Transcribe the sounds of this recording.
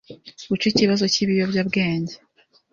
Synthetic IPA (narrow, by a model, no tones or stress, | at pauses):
ɡut͡ʃiciβazo̞ciβijo̞bjabɡe̞ːɲɟe